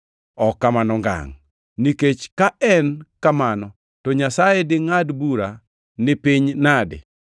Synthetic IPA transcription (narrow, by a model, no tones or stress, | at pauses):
ɔkːamanɔŋɡa̰ŋ | niket͡ʃkaʔɛnkamanɔ | tɔɲasajedɪŋadbuɾa | nɪpiɲnadɪ̰